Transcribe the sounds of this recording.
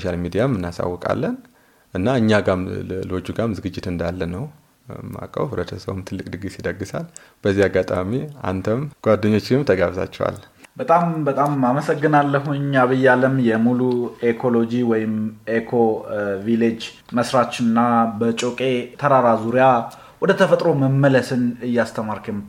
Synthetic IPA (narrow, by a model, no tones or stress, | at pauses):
soʃalmid̪ijamːɨnːasa̰wːɔkʼa̰lːən | ʔɨnːaɨɲːaɡamlo̞d͡ʒuɡamzɨɡɨd͡ʒːɪt̪ɨnd̪alːənəw | mːa̰kʼːə̰βhɨβɾət̪ʰəsə̰wmt̪ʰɨlːɨkʼd̪ɨɡisid̪əɡːɨsa̰l | b̥əzːiaɡːat̪ʼamia̰nt̪ʰəmɡ̥ʷad̪ːəɲːo̞t͡ʃːɪmt̪ʰəɡaβt̪ʰa̰t͡ʃːɛ̰wa̰l | bət̪ʼambət̪ʼamaməsəɡːɨnalːəɦuɲaβɨjːaləmjɛmuluekʰo̞lo̞d͡ʒiwɔjɪmekʰo̞viled͡ʒ | məsɾat͡ʃːɨnːabət͡ʃʼokʼe̞t̪ʰəɾaɾazuɾija | wɔd̪ət̪ʰəfət̪ʼɾo̞məmːələsɨnɨjːast̪ʰəmaɾkɨm